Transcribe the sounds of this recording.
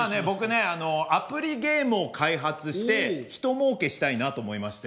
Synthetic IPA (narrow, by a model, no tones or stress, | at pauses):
ane̞bo̞kɯ̟ne̞ano̞apɯ̟ɾʲiɡe̞ːmɯo̞kʰaiɦat͡sɨɕi̥t̪e̞çi̥t̪o̞mo̞ːke̞ɕi̥t̪ainat̪o̞ːmo̞imaɕi̥t̪e